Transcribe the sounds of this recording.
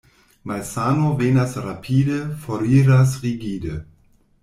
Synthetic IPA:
malsanovenasɾapʰiːdəfoɾiːɾasʁiɡiːdə

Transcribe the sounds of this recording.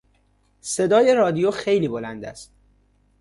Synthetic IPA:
se̞d̪ɒːje̞ɾɒːd̪ijoxe̞jliːbolænd̪æ̰st̪

